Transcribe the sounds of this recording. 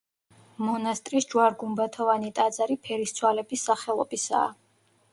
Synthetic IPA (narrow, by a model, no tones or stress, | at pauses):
mɔnast̪ʼɾisd͡ʒwaɾɡumbat̪ʰɔvanit̪ʼad̪zaɾipʰɛɾist̪sʰwalɛbisːaχɛlˠɔbisa̰ː